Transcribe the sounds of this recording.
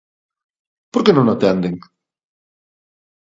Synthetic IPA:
poɾkenõŋat̪ɛnd̪eŋ

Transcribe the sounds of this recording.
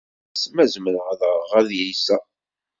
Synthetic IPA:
smæzməɾʁðəʁæðjijsæ

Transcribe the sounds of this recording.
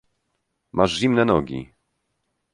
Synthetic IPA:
mʔaʐʑimnɛnɔɡʲḭ

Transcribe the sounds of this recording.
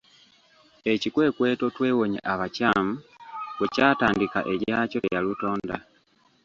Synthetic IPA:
ecikweːkweːto̞tweːwoɲḛʔaβacamuwecaːtaːndika̰ʔeɟaːcolejaluto̞ːnda

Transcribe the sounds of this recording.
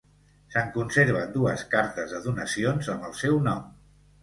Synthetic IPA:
səŋkunseɾβ̞ənd̪uəskaɾt̪əzðəðunəsionzəməlˠsɛwnɔm

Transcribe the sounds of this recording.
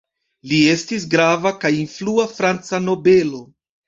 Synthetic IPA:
lie̞stis̬ɡɾavakajinfluafɾant͡sano̞be̞lo̞

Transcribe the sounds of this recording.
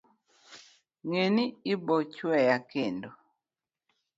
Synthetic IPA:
ŋeniːbot͡ʃwɛjakendo

